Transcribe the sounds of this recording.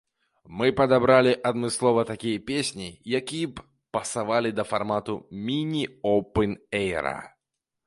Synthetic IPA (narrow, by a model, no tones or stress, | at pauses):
mɨpɐd̪abɾalʲiʔad̪mɨslˠɔvɐt̪akʲijɐpʲesʲnʲijakʲijɛ | pɐsavalʲid̪ɐfarmat̪umʲinʲiɔwpɛnɛjɾɐ̰